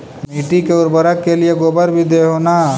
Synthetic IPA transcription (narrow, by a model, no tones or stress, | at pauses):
miːʈikeʊɾbəɾəkːelieɡoːbəɾbʱid̪eːɦoːna